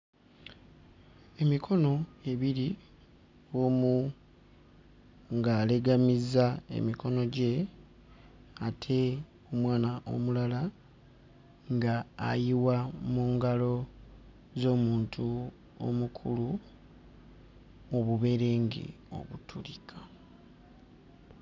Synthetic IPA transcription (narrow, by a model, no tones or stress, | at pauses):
e̞mikʰo̞no̞e̞βiɾi | oːmu | ŋɡaːle̞ɡamizae̞̰mikʰo̞no̞ɟe̞ | atʰe̞ | o̞mwaːnaʔo̞̰mulala | ŋɡa̰ːjiwamuːŋɡalo̞ | zo̞ːmuːntʰu | o̰mukʰulu | oβuβe̞ɾe̞ːŋɡḭ | o̞̰βutʰulikʰḁ